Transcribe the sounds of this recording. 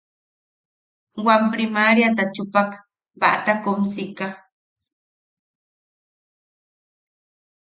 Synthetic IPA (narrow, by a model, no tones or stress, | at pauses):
wampɾɪmaɾjat̪at͡ʃʊpak | ba̰ʔt̪akʊmsɪka